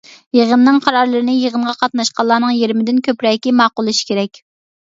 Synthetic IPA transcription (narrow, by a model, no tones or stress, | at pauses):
jeʁənːɨŋqʰɑɾɑɾlˠɨɾɨnɪjeʁənʁɑqʰɑt̪nɑʃqɑlˠɑːnɨŋjeɾmɪd̪ɪnkʲʰøpɾɛkʲimɑːqʊlˠɨʃi̥kʲeɾɛkʲ